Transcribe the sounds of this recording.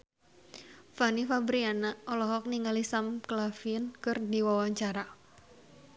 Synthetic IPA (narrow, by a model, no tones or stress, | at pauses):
fanifabɾianaʔɔlɔɦɔk̚niŋalisamklafiənkɨrdiwawaɲt͡ʃaɾa